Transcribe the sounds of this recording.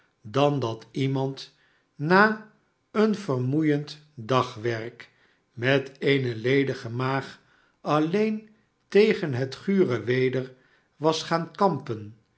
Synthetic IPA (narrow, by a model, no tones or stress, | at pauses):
dɑndɑtimɑnt | naː | ənvərmujənt | dɑχʋɛrk | mɛtejnəlejdəχəmaːχ | ɑlejn | tejχənɦətχyːrəʋejdəɹ | ʋɑsχaːnkɑmpən